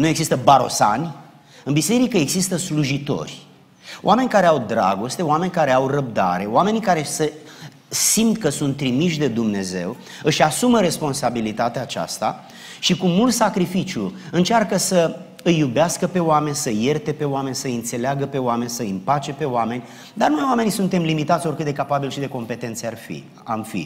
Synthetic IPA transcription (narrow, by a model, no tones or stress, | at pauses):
nue̞ɡzist̪əbaɾo̞̰sa̰nʲ | ɨnbise̞ɾikəe̞ɡzist̪əsluʒit̪o̞̰rʲ | o̰ʔame̞nʲkaɾe̞awd̪ɾa̰ɡo̞st̪e̞oame̞nʲkaɾe̞awrəb̚d̪a̰ɾe̞oame̞nikaɾe̞sə | simt̪kəsunt̪ːɾimiʃd̪e̞d̪umne̞ze̞̰w | ɨʃasuməɾe̞spo̞nsabilit̪at̪eaːt͡ʃa̰st̪a̰ | ʃikumult̪sakɾifit͡ʃjuɨnt͡ʃarkəsə | ɨjːubeaskəpe̞oame̞nʲsəje̞rt̪e̞pe̞oame̞nʲsəɨnt̪se̞leaɡəpe̞oame̞nʲsəimpat͡ʃe̞pe̞oame̞nʲ | d̪arnojwame̞nisunt̪e̞mlimit̪at̪sʲo̞rkɨt̪d̪ekapabilʃid̪e̞ko̞mpe̞t̪e̞nt̪searfḭ | amfḭ